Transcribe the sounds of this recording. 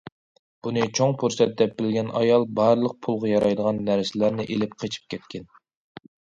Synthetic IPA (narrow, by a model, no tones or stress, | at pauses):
b̥unɨt͡ʃʰoŋpʰuɾsɛt̪̚d̪ɛp̚bɪlɡʲɛnɑjɑlˠbɑɾlˠəq̚pʰulˠʁɑjɑɾɑjd̪əʁɑnːæɾsɪlæɾnɪʔelɪp̚qʰet͡ʃʰi̥p̚kʲʰɛt̪̚kʲʰɛn